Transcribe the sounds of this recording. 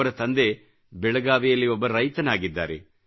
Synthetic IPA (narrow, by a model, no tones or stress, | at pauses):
ɐɾɐt̪ɐnd̪e̞ | bɛɭɐɡaːʋijɐlːiɔbːɐɾɐjt̪ɐnaːɡid̪ːa̰ːɾḛ